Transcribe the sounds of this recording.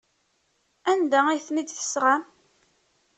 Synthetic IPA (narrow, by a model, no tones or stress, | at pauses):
ænd̪ææjθnid̪θə̥sʁam